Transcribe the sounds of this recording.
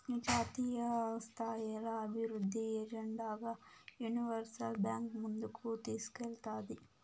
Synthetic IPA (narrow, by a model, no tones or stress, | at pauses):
d͡ʒaːt̪iːjɐst̪ʰaːjalɐːbʱiʋɾud̪ʱːiɛd͡ʒɛɳɖaːɡaːjuniʋɐɾsɐlbjaːŋkmund̪ukut̪iːsu̥kɛlt̪aːd̪i